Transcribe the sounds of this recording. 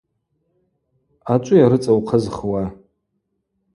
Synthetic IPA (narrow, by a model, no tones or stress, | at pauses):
at͡ʃʷʼʊjaɾɨt͡sʼawqʰəzχwa